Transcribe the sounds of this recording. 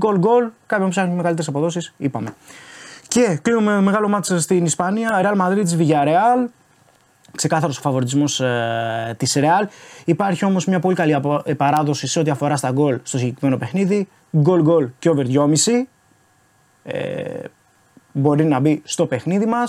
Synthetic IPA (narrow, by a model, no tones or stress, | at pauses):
ɡo̞lɡo̞lkɐompsexunemeɣɐlit̪eɾsɐpo̞ðo̞sisipɐme̞ | ce̞klinumeme̞ɣɐlo̞mɐseɾst̪inispɐniɐɾeɐlmɐðɾit̪izviʝɐɾe̞ɐl | kse̞kɐθɐɾo̞sofɐvo̞ɾit̪̬izmo̞s | t̪isɾe̞ɐlipɐɾçio̞mo̞zmɲɐpo̞likɐliɐppɐɾɐðo̞siseo̞t̪iɐfo̞ɾɐst̪ɐɡo̞lst̪o̞siɟe̞kɾime̞no̞pe̞xniði | ɡo̞lɡo̞lceove̞ɾðʝo̞misi | ḛ | bo̞ɾinɐbist̪o̞pe̞xniðimɐs